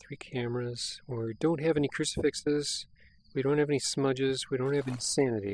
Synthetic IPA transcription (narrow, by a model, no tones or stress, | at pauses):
θɹikʰæmə˞ɨz̥wəɹdõʊ̃nt̚ɦɨvɛnikʰɹ̥ʉsɨ̥fɪksɪz̥ | wiɾõʊ̃nt̚hɨvɛnismʌd͡ʒɪzwiɾõʊ̃nthɨvɛ̃nnsænɨɾi